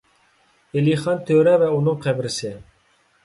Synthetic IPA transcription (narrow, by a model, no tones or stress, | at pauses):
eliχɑnt̪ʰøɾɛvɛunɨŋqʰɛbɾɪsɪ